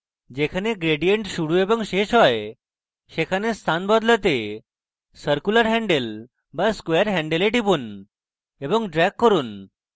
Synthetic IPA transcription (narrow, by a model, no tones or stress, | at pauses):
d͡ʑekʰaneɡɾeɽijə̃ɳʈɕuɽuebəŋɡɕeɕɦɔj | ɕekʰanest̪ʰanbɔd̪lət̪e | səɾkuləɾɦɛ̃ɳɖel | baskʋeɾɦɛ̃ɳɖeleʈipun | ebəŋɡɖɾɛkːəɾuːn